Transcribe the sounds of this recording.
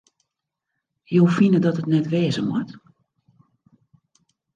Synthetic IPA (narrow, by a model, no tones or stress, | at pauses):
jowfinədɔtətnɛtʋɛːzəmwɔt